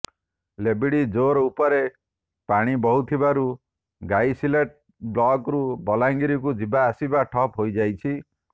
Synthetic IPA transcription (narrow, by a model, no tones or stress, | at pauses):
lebiɽid͡ʒoɾupɔɾe | paɽ̃ibɔɦut̪ʰibaɾu | ɡajsileʈ̚ | blɔkɾubɔlaŋɡiɾik̬ud͡ʒibaːsibaʈʰɔpɦojd͡ʒajt͡ʃʰi